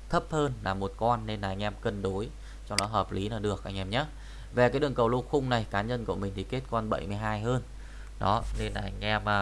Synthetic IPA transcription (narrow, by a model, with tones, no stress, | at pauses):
t̪ʰə˦˥p̚həː˧nlaː˨˩mo˨˩t̚kɔ˧nːe˧nlaː˨˩ʔa˧ŋ̟ʔɛ˧mkə˧nɗo˨˦j | t͡ɕɔ˧wŋ͡mɗɔ˨˦ɦəː˨˩p̚li˨˦naː˨˩ɗɨ˨˩ək̚ʔa˧jŋ̟ʔɛ˧mɲaː˨˦˥ | ve˨˩kaː˨˦jɗɨ˨˩əŋkə˨˩wlu˧xʊ˧ŋ͡mna˨˩jkaː˨˦ɲə˧nkṵ˧˩əmï˨˩ŋ̟t̪ʰi˨˩ke˦˥t̚kɔ˧nɓə̰˧˩˨jmɨ˧əjɦaː˧jɦəː˧n | ɗɔ˨˦ne˧nla̰ː˨˩ʔa˧ŋ̟ʔɛ˧mː˨˩